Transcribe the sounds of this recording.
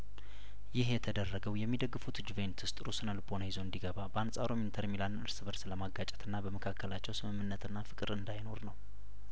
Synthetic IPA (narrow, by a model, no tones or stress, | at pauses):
jɪhjɛt̪ʰəd̪ərːəɡəwjɛmːid̪əɡːɨfut̪d͡ʒuvent̪ʰɨst̪ʼɾusɨnəlbonəjizo̞ɨnd̪iɡəβabəansʼaɾo̞mint̪ʰəɾmilanɨɾsɨβəɾsləmaɡat͡ʃʼɛ̥t̪ʰɨnːabəməkʰakʰːəlat͡ʃːɛwsɨmɨmːɨnːət̪ʰɨnːafɨkʼɨɾɨnd̪ajno̞ɾnəw